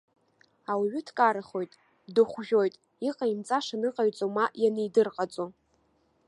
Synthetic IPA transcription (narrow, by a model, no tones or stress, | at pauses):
awɥʏtʰkʼaɾaχo̞jtʼ | dɨχʷʒʲᶣojtʼ | iqʼaimt͡sʼaʂanɨqʼaɥt͡sʼomaʔjanejdɨrqʼat͡sʼo